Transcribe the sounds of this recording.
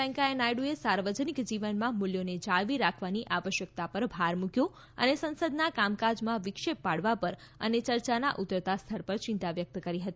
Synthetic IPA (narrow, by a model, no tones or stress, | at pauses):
ɛ̃ŋkaenajɽuesaɾʋəd͡ʒənikd͡ʒiʋənmãmuljoned͡ʒaɭʋiɾakʰʋaniʔaʋəʃjək̚t̪apəɾbʱaɾmukjõ | ə̰nesə̃nsəd̪nakamkad͡ʒmãʋɪkʃepːaɽʋapəɾə̰net͡ʃəɾt͡ʃana̰ʔut̪ɾət̪ast̪ʰəɾpəɾt͡ʃɪ̃nt̪aʋjək̚t̪kəɾiɦət̪i